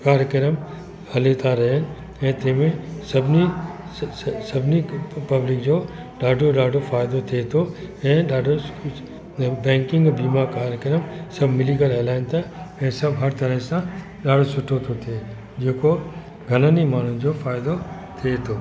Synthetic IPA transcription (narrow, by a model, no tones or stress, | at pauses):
kaːɾjəkɪɾəm | hɐlet̪ʰaɾɐɦnɪ̆ | ɛ̃ːt̪ẽːmẽsɐbʱni | sɐbʱɪnipɐblɪk̚d͡ʑoː | ɗaːɖʱoɗaːɖʱofaːɪd̪ot̪ʰiet̪ʰo | ɛ̃ːɗaːɖʱo | bɛ̃ːŋkɪ̃ŋɡbiːmakaːɾjəkəɾəmsɐbʱmɪlikəlɦɛːlaːɪnt̪ʰaɛ̃ːsɐbɦɐɾt̪ɐɾəɦsã | ɗaːɖʱosʊʈʰot̪ʰot̪ʰie | d͡ʑeːko | ɡʱɐnənimaːn̤ʊd͡ʑofaːjɪd̪o | t̪ʰiet̪ʰoː